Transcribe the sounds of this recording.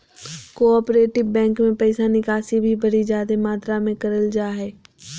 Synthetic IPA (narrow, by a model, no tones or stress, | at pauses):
koɔːpɾeːʈɪbbɛ̃ːŋkmẽpɛɪsanɪkaːsibʱibʱɐɾid͡ʒaːd̪emaːt̪ɾamẽkɐɾəld͡ʒaːɦɛː